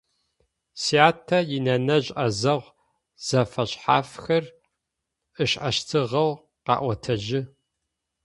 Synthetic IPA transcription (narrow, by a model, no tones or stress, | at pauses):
siaːtʰːɐjɪnɐnɐʑʼʔɐzɐʁʷ | z̥ɐfɐɕʼħa̰ːfxɐr | ʔɨɕʔɐʃtʰɨʁɐw | qɑ̰ːʔʷɔtʰɐʒɪ